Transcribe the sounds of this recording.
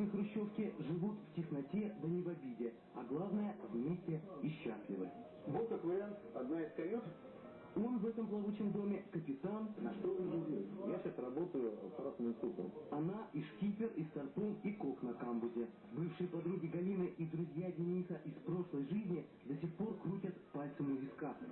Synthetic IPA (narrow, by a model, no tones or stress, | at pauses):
ɨxɾʊɕːo̞fkʲɪʐɨvut̪ftʲɪxnɐtʲe̞d̪ənʲɪvɐbʲidʲɪ | ɐɡlˠavnəjəvmʲesʲtʲɪɪɕːasʲlʲɪvəj | bolˠkakvəɾʲɪant̪ɐd̪naɪskɐɾʲiʂ | o̞nvɛt̪əmplˠɐvut͡ɕɪmd̪o̞mʲɪkəpʲɪt̪annɐʂt̪oɨʐɨvʲijaɕasrɐbot̪əjʊɐɾasmɨmst̪upə̰mɐnaʔiʂkʲipʲɪrist̪ɐrt̪omiko̞knɐkambʊzʲɪ | bɨfʂɨjəpɐd̪ɾuɡʲɪɡɐlʲinɨʔid̪ɾʊzʲjadʲɪnʲisəʔispɾo̞ʂlˠəjʐɨzʲnʲɪ | d̪ɐsʲexpo̞rkɾutʲət̪palʲt̪sɨmʊvʲɪska